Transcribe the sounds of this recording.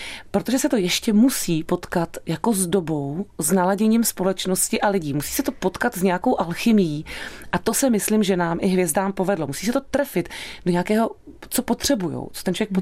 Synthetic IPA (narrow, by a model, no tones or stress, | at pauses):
pɾot̪o̞ʒɛsɛt̪ojɛʃcɛmusiːpo̞t̪kat̪jako̞zdo̞bo̞wznalaɟɛɲiːmspo̞lɛt͡ʃno̞scɪʔalɪɟiːmusi̥ːsɛt̪o̞po̞t̪kat̪zɲɛjako̞wʔalxɪmɪjiːʔat̪o̞sɛmɪslɪmʒɛnaːmʔɪɦvjɛzdaːmpo̞vɛdlo̞musiːsɛt̪o̞t̪ɾɛfɪt̪doɲɛakɛːɦo̞t͡so̞po̞t̪r̝̥ɛbujo̰wt͡so̥t̪ɛnt͡ʃovjɛkpo